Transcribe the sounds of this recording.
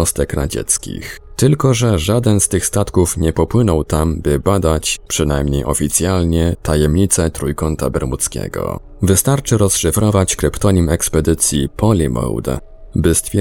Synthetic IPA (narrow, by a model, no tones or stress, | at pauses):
ɔst̪ɛkɾa̰d͡ʑɛ̰t̪skʲḭx | t̪ɘlkɔʐɛʐad̪ɛnst̪ɘxst̪at̪kufɲɛpɔpwɘnɔwt̪ambɘbad̪at͡ɕpʂɘnajmɲejʔɔ̰fʲit̪sʲjalɲɛt̪ʰajɛmɲit̪sɛt̪ɾujkɔnt̪a̰bɛɾmut̪skʲɛ̰ɡɔ̰ | vɘst̪aɾt͡ʂɘɾɔsʂɘfɾɔvat͡ɕkɾɘpt̪ɔɲimɛkspɛd̪ɘt̪sʲjipʰɔlʲimɔ̰wd̪ɛ̰ | bɘst̪fʲ